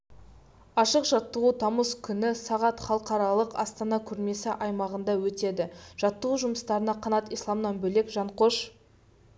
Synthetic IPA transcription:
ɑʃəqʒɑt̪ːəʁut̪ʰɑməskʲʰʏnɪsɑʁɑt̪χɑlˠəqɑɾɑlˠəqɑ̰st̪ɑnɑkʲʰɵɾme̞sɪʔɑjmɑʁənd̪ɑwɵt̪e̞d̪ɪʒ̥ɑt̪ːəʁuʒʊməst̪ɑɾənɑqʰɑnɑt̪ijslˠɑmnɑnbɵle̞kʒɑɴqo̞ʃ

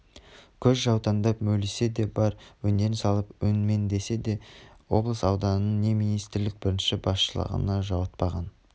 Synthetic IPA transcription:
kʲʰɵzʒɑwt̪ɑnd̪ɑpmɵlese̞d̪e̞bɑɾwɵnd̪e̞ɾɪnsɑlˠəpwɵnme̞nd̪e̞se̞d̪e̞wo̞̰blˠəsɑwd̪ɑnənəɴne̞mijnijst̪ɪɾlɪk̚bɪɾɪnʃɪbɑsʃəlˠə̰ʁə̰nɑʒɑwət̪̚pɑʁɑn

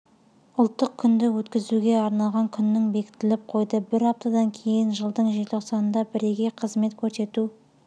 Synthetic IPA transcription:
ʊlˠt̪ːəq̚kʲʰʏnd̪ɪwɵt̪kʲɪzuɡʲe̞ɑɾnɑlˠʁɑŋkʲʰʏnːɪŋbe̞kʲɪ̥t̪ːɪlɪp̚qʰo̞jd̪əbɪɾɑp̚t̪ɑd̪ɑŋkʲʰe̞jɪnʒəlˠd̪əɴʒeo̞qsɑnənd̪ɑbɪɾeɡʲe̞qʰəzme̞t̪kʲʰɵɾse̞t̪u

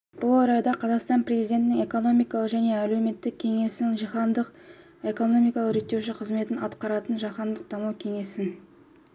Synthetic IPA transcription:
b̥ʊlˠɑɾɑjd̪ɑqʰɑzɑqst̪ɑnpɾe̞zijd̪ʲe̞nt̪ɪnɪŋe̞ko̞no̞mijkɑlˠəqʒæne̞æleme̞t̪ːɪk̚ʲʰːe̞ŋe̞sɪnɪŋʒiχɑnd̪əq | e̞ko̞no̞mijkɑlˠəɾet̪ːe̞wʃɪqʰəzme̞t̪ɪnɑt̪qɑɾɑt̪ənʒɑχɑnd̪əq̚d̪ɑmɑwkʲʰe̞ŋe̞sɪn

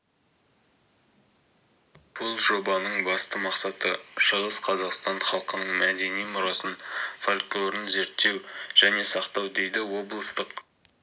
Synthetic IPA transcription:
b̥ʊlˠʒo̞bɑnəɴbɑst̪əmɑqsɑt̪əʃəʁəsqʰɑzɑqst̪ɑnχɑlˠqənəɴmæd̪e̞nijmʊɾɑsənfalʲklˠo̞ɾɪnze̞ɾt̪ːe̞wʒ̥æne̞sɑqt̪ɑwd̪e̞jd̪ɪwo̞blˠəst̪əq

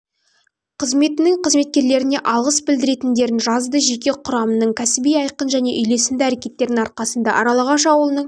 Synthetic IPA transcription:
qʰəzme̞t̪ɪnɪŋqʰəzme̞t̪̚kʲe̞ɾle̞ɾɪne̞ʔɑlˠʁəsbɪld̪ɪɾe̞t̪ɪnd̪e̞ɾɪnʒɑzd̪əʒe̞kʲe̞qʰʊɾɑmənəɴkʲʰæsɪbijɑjqənʒæne̞ʔʏjle̞sɪnd̪ɪæɾe̞kʲe̞t̪ːe̞ɾd̪ɪŋɑɾqɑsənd̪ɑ̰ʔɑɾɑlˠɑʁɑʃɑwəlˠənəɴ

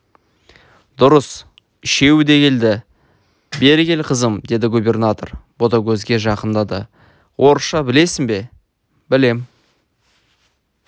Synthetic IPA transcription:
d̪ʊɾəs | ɪʃe̞wɪd̪e̞kʲe̞ld̪ɪ | be̞ɾɡʲe̞lqʰəzəmd̪e̞d̪ɪɡubʲe̞rnat̪o̞̰rb̥o̞t̪ɑɡʲɵzɡʲe̞ʒɑqənd̪ɑd̪ə̰ | wʔo̞ɾʃɑbɪle̞sɪŋbe̞ | bɪle̞m

